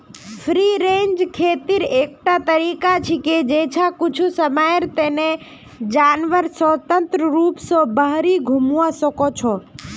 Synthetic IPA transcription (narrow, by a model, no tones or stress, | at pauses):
fʰɾiːɾẽːɲd͡ʒkʰeːt̪iɾeːk̚ʈat̪əɾiːkat͡ʃʰiked͡ʒeːt͡ʃʰakʊt͡ʃʰusəmaːjeɾt̪eːne | d͡ʒaːnʋəɾsət̪ə̃nt̪ɾəɾuːpsobəɦɾiɡʱʊmuʋãsɔkot͡ʃʰɔː